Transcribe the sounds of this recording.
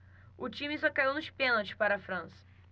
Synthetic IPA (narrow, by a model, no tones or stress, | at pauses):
ʊt͡ʃĩmɪsɔkaiwnʊʃpẽnowt͡ʃɪ̥spaɾɐfɾɐ̃sɐ̥